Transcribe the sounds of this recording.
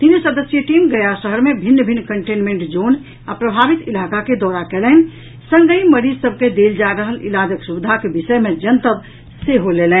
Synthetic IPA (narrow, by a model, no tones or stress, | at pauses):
t̪insəd̪əsjəʈimɡəjasəɦəɾmebʱinːbʱinːkəɳʈenmeɳʈd͡ʒon | apɾəbʱabit̪ilakaked̪ɔɾakɛlɛn̆ | sə̃ŋɡəiməɾid͡ʒsəb̚ʱked̪eld͡ʒaɾəɦəlʔḭlad͡ʒəksubid̪ʱakebisəjmed͡ʒənt̪əb | seɦolelɛ̃n